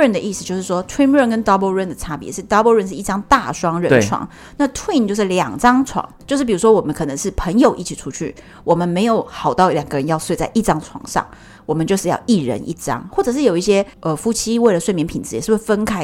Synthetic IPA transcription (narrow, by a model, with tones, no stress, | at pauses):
ə˥˩nd̪ə˨ʔi˥˩s̩˧t͡ɕjo˥˧ʊʂɻ̩˥˩ʂwɔ˥t̪ʰwi˥nɻə˥˩nkə˥nd̪ɑ˥bə˥˧ɻə˥˩nd̪ə˩t͡sʰa˥pḭ˨˦ʂɻ̩˥˩t̪ɑ˥bə˥˧ɻə˥˧nʂɻ̩˥˩i˥˩ɑ˥ŋt̪a˥˩ʂwɑ˥ŋɻə˧t͡sʰwɑ̰˨˩˦ŋ | na˥˧t̪ʰwi˥˩nt͡ɕjo˥˧ʊʂ̬ɻ̩˥˩ljɑ̰˨˩ŋt͡sɑ˥ŋt͡sʰwɑ̰˨˩ŋt͡ɕjo˥˧ʊʂɻ̩˥˩pi˨˩ɻu˧˥ʂwɔ˥wɔ˨˩mə˦nkʰɤ˨˩nə˧˦ŋʂɻ̩˥˩pʰə˧˥ŋjo˨ʊʔḭ˥˩t͡ɕʰi˨˩ʈ͡ʂʰu˥t͡ɕʰy̰˥˩ | wɔ˨˩mə˦nme˧˥ɪjo˨˧˩ʊxɑ˨˩ʊt̪ɑ˥˩ʊljɑ˨˩ŋɡə˦ɻə˧˦njɑ˥˧ʊswe˥˧ɪt͡sa˥˧ɪʔi˥˩ʈ͡ʂɑ˥ŋt͡sʰwɑ̰˨˧˩ŋʂɑ̰˥˩ŋ | wɔ˨˩mə˦nt͡ɕjo˥˧ʊʂɻ̩˥˧jɑ̰˥˧ʊʔi˥˩ɻə̰˧˦nʔḭ˥˩ʈ͡ʂɑ̰˥ŋxwɔ˥˩ʈ͡ʂɤ˨˩ʂ̬ɻ̩˥˩jo˨˩ʊi˥˩ɕjɛ˥ʔə˨˩fu˥t͡ɕʰi˥we˥˩ɪlə˨˩swmjɛ˧npʰi˨˩nt͡sɻ̩˧˥˩ʂ̩˥˩we˥˧fə˥nkʰa˥ɪ